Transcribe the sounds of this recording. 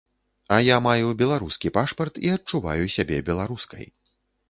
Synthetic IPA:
ɐjamajubʲɛlˠaɾuskʲipaʂpɐrt̪iɐt͡ʂuva̰jusʲabʲɛbʲɛlˠaɾuskɐ̰j

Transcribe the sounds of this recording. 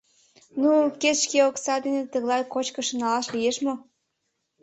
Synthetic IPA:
nuketʃkeoksɑd̪enet̪ə̆ɣlɑjkot͡ɕkə̆ʃənɑlɑʃlijeʃmo

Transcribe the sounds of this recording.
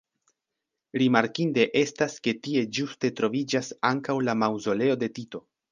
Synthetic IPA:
ɾimaɾkinde̞ʔe̞staske̞tie̞d͡ʒuste̞tɾo̞vid͡ʒasaŋkawlamawzo̞le̞o̞de̞tito̞

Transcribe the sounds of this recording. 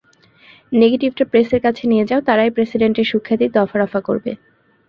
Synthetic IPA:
neɡeʈib̚ʈapɾeseɾkat͡ɕʰenijed͡ʑaot̪aɾajpɾesiɖeɳʈeɾʃukʰːat̪id̪ɔfaɾɔfako̰ɾbḛ

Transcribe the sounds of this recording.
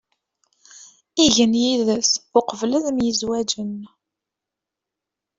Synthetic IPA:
iʝənjiðəsʊqəvləðmjəzwæd͡ʒən

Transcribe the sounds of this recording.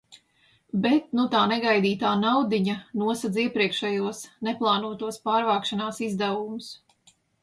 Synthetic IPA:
bɛt̪̚nut̪aːnɛɡajd̪iːt̪aːnawd̪iɲanuɔsad̪ziɛpɾiɛkʃɛjuɔsnɛplˠɑːnuɔt̪uɔspaːɾvaːkʃanaːsizd̪ɛwumʊs

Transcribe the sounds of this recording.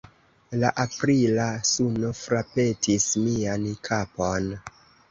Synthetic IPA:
laʔapɾilasuno̞fɾape̞tʰismiankʰapo̞n

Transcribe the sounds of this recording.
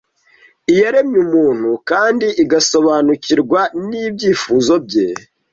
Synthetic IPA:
ijaɾe̞mɲumuːn̥hukaːndiʔiɡaso̞βanuciɾɡwaniːbɟiːfuzo̞bɟe

